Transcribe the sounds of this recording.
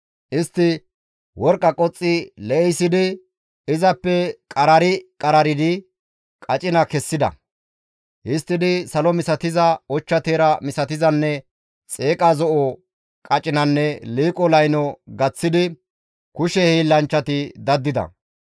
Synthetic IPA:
ʔɪst̪ːɪ | wɔɾkʼɐkʼɔt͡sʼːɪlɛʔɛjsːɪd̪ɪ | ɪzɐpːɛkʼɐɾɐɾɪkʼɐɾɐɾɪd̪ɪ | kʼɐt͡ʃʼɪnɐkɛsːɪd̪ɐ̰ | ʔɪst̪ːɪd̪ɪsɐlɔmɪsɐt̪ɪzɐɔt͡ʃːɐt̪eːɾɐmɪsɐt̪ɪzɐnːɛ | t͡sʼe̞ːkʼazɔʔɔ | kʼɐt͡ʃʼɪnɐnːɛliːkʼɔlɐjnɔɡɐt͡sːɪd̪ɪ | kʊʃɛhiːlːɐnt͡ʃːɐt̪ɪd̪ɐd̪ːɪd̪ɐ̰

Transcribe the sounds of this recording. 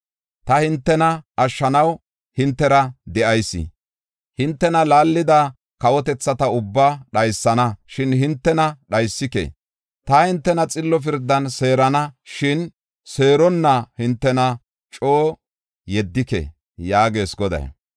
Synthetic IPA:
t̪ɐhɪnt̪ːɛnɐʔɐʃːɐnɐw | hɪnt̪ːɛɾɐd̪ɛʔɐjsːɪ̰ | hɪnt̪ːɛnɐlaːlːɪd̪ɐ | kɐwɔt̪ɛt͡sːɐt̪ɐʊbːaɗɐjsːɐnɐʃɪnɦɪnt̪ːɛnɐɗɐjsːɪkḛ | t̪ɐhɪnt̪ːɛnɐt͡sʼɪlːɔf̬ɪɾd̪ːɐnse̞ːɾɐnɐʃɪn | se̞ːɾɔnːɐhɪnt̪ːɛnɐ | t͡ʃʼoː | jɛd̪ːɪkḛ | jaːɡe̞ːsɡɔd̪ɐ̰j

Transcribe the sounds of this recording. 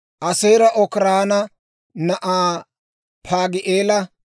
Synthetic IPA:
ʔɐsejɾɐʔɔkɪɾaːnɐ | nɐʔaː | pʰaːɡɪʔeːlɐ

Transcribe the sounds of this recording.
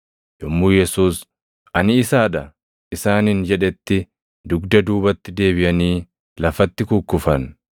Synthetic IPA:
jɔmːuːjɛsuːs | ɐnɪːsaːᶑɐ | ʔɪsaːnɪnd͡ʒɛᶑɛt̪ːɪ | d̪ʊɡd̪ɐd̪uːbɐt̪ːɪd̪e̞ːbɪʔɐniː | lɐfɐt̪ːɪkʊkːʊfɐn

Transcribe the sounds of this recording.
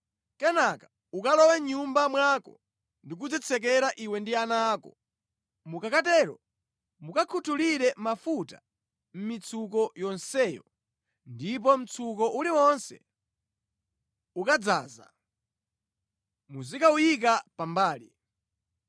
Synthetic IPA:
kɛnaka | ukalɔwɛɲumbamwakɔ̰ | ndik̬ud͡zɛt͡sʰɛk̬ɛɾaʔiwɛndianaːkɔ | mukakat̬ɛːɾɔ̰ | mukakʰutʰuliɾɛmafuta | m̩mit͡sʰuk̬ɔjɔnsɛjɔ̰ | ndip̬ɔm̩t͡sʰuk̬ɔʔuliwɔnsɛ̰ | ukad͡za̰ːza̰ | muzikaujikapambaːlḭ

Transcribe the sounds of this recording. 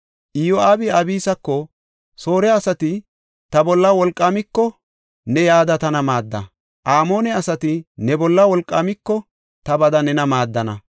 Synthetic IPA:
ʔɪjoaːbɪɐbiːsɐkːɔ | soːɾɛɐsɐt̪ɪ | t̪ɐbɔlːɐwɔlkʼːaːmɪkːɔ | nɛjaːd̪ɐt̪ɐnɐmaːd̪ːɐ̰ | ʔaːmo̞ːnɛɐsɐt̪ɪnɛbɔlːɐwɔlkʼːaːmɪkːɔ | t̪ɐbɐd̪ɐnɛnɐmaːd̪ːɐnɐ

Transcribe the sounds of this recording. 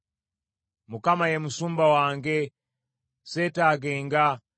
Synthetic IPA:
mukamajɛmusumbawaŋɡɛ | sɛtaɡɛŋɡa

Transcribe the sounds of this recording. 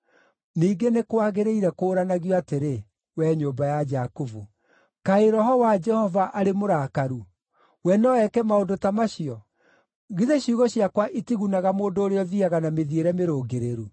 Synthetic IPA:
niːɡenekwaɣeɾeiɾɛkoːɾanaɣjɔateɾe | wɛːɲoːmbajad͡ʒakovu | kaeɾɔɦɔwad͡ʒɛhɔvaʔaɾemoɾaːkaɾu | wɛnɔɛkɛmaondotamaɕiɔ | ɣiðeɕiuɣɔɕiakwaʔitiɣunaɣamoːndoːɾeɔðiaɣanameðieɾɛmeɾoːɡeɾeɾu

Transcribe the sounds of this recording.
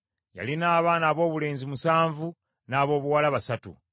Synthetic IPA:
ja̰linaːβaːnaːβo̞ːβule̞ːnzimusaːɱvu | naːβo̞ːβuwalaβasatṵ

